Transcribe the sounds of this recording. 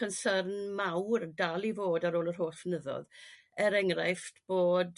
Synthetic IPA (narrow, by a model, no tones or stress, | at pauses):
ənsərnmawrdalˠivoːdaɾoːlərɦoːsənəðɔ̰ð | ɛɾɛŋrajftb̥oːd